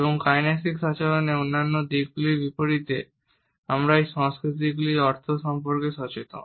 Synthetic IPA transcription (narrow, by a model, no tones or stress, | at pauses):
eboŋkajnesikʃat͡ɕaloneonːanːod̪iɡ̚ɡulibipoɾit̪e | amɾaejʃɔŋskɾit̪̬iɡuliɔɾt̪ʰoʃɔmpoɾkeʃɔt͡ɕet̪o̰